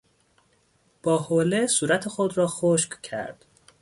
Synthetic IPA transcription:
b̥ɒːholesuːɾæt̪ʰexod̪rɒːxoʃkcʰæ̰ɾd̪̥

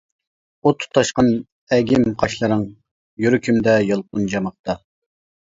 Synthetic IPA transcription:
ut̪ʰʊ̥t̪ʰːɑʃqɑn | ɛɡʲimqʰɑʃlˠɨɾɨŋ | jyɾykʲʰymd̪ɛjɑlˠq̚ʊnd͡ʒɑmɑq̚t̪ɑ

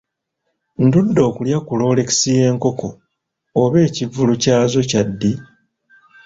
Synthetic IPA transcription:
ndudːo̞ːkuljakulo̞ːle̞ki̥sije̞ːŋko̞ko̞ː | βe̞ːcivulucaːzo̞cadːi

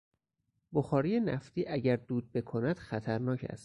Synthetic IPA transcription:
boxɒːɾije̞næ̰ft̪iːʔæɟæɾd̪uːd̪̚be̞kʰo̞næd̪̥xæt̪ʰæɾnɒːcʰæ̰st̪

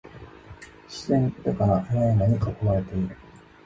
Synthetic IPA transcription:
ɕi̥zẽnt̪ekaɾaʔɾanaɲ̟ikakoβaɾe̞t̪e̞iɾɯ̟

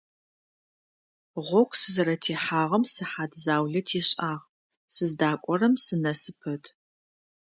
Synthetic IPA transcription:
ʁʷɔkʷʰsɨzɨɾɐtʰeːħaːʁɐmsɨħaːdzaːwɮɐtʰeːɕʼaːʁ | sɨzdaːkʷʼɔɾɐmsɨnɐsɨpʰɐdʰ

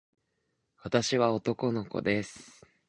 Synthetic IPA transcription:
βat̪aɕiβao̞t̪o̞ko̞no̞ko̞̰d̪e̞sɨ̥ɨ̥

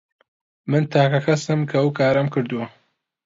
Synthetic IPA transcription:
mɨnt̪ʰaːkɐkʰɐsɨmkʰɐwkʰaːɾɐmkɨɾd̪uwɐ

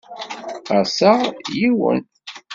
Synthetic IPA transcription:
æsaʁjiwə̰n

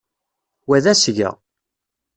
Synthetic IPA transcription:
wæðæsʝæ̰

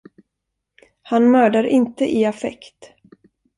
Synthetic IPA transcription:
hanmœːɖaɾʔɪnt̪əʔɪafɛ̰kt̪

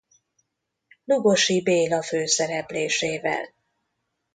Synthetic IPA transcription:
luɡo̞ʃibeːlɒføːsɛɾɛpleːʃeːvɛ̰l

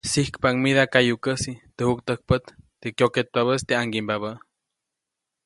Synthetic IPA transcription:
sihkpaʔŋmiðakajukəsit̪əhukt̪ək̚pət̪t̪ekjoket̪̚paβəst̪eaŋɡimbaβə

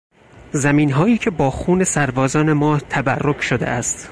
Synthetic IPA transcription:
zæmiːnɦɒːjiːcʰe̞bɒːxuːne̞sæɾbɒːzɒːne̞mɒːt̪ʰæbærːocʰʃod̪ḛʔæst̪

